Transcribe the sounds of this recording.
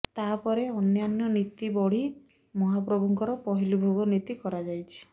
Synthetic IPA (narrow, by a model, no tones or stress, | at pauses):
t̪apɔɾeɔnjanjɔnit̪ibɔɽ̤i | mɔɦapɾɔbʱɔŋkɔɾɔpɔɦilubʱoɡɔnit̪ikɔɾad͡ʒajt͡ʃʰi̥